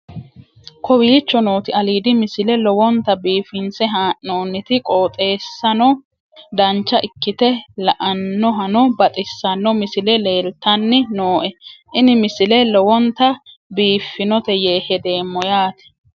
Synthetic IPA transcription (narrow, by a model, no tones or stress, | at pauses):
kʰɔwiːt͡ʃːɔno̞ːt̪ɪɐliːd̪ɪmɪsɪlɛlɔwɔnt̪ɐbiːfɪnsɛɦaːʔːoːnːɪt̪ɪkʼoːt̪ʼe̞ːsːɐnɔ | d̪ɐnt͡ʃːɐʔɪkːɪt̪ɛlɐʔɐnːɔɦɐnɔbɐt̪ʼɪsːɐnːɔmɪsɪlɛle̞ːlt̪ːɐnːɪnoːʔɛʔɪnɪmɪsɪlɛlɔwɔnt̪ɐ | biːfːɪnɔt̪ɛje̞ːhɛd̪e̞ːmːɔjaːt̪ɛ̥